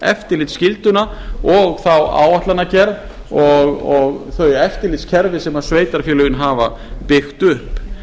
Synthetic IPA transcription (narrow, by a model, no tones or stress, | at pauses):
ɛ̰ft̪ɪɾlɪt̪scɪlt̪ʏnaɔɣθawa̰ːwaht̪lanːacɛɾ | ɔɣɔɣθœɥjɛft̪ɪɾlɪt̪scʰɛɾvɪsɛmasveːjt̪aɾ̥fjɛlʏɣɪnɦaːva̰ | pɪxt̪ʏhp